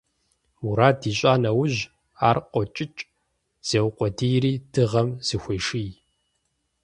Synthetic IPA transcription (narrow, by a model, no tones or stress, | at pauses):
uɾaːdiːɕʼaːnɐwʊʑ | aːrqʷʼɔt͡ʃʼɪt͡ʃʼ | z̥eːwqʷɔdijɾiːdʰɨʁɐmz̥ɨxʷɔjʂij